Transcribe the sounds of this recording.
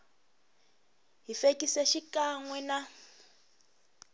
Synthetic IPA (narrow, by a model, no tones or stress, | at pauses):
ɦifekʼiseʃikaŋwɛna